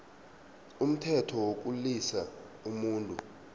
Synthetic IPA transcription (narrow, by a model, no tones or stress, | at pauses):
um̩tʰɛtʰɔwok̬ʼulisa | umuːntʼu